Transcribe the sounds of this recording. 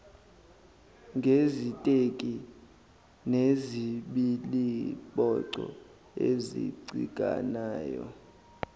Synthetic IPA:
ŋɡʱezitʼekʼi | neziɓiliɓɔǀɔ | ezḭǀḭkʼa̰naːjɔ̰

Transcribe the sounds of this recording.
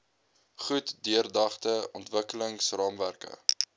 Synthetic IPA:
χutdyərdɑχtəʔɔntvəkələŋsrɑːmværkə̰

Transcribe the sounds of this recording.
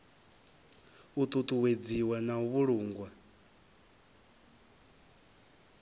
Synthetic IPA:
ut̪ʼut̪ʼuwed͡ziwanauβuɺuːŋɡwa

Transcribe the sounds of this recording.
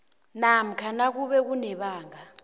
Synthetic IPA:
nam̩kʰanak̬uɓɛk̬unɛɓaːŋa

